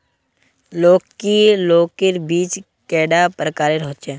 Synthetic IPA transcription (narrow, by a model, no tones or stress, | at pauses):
loːkkiloːkɪɾbiːt͡ʃ | kɛːɖapɾəkaːɾeɾoɦt̪t͡ʃɛ̃ː